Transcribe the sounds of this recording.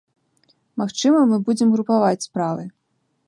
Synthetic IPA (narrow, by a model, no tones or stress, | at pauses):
maxt͡ʂɨmɐmɨbud͡zʲɛmɣɾupavat͡sʲspɾavɨ